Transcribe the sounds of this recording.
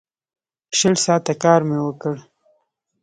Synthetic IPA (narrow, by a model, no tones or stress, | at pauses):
ʃəlsɑt̪akɑɾmewəkəɽ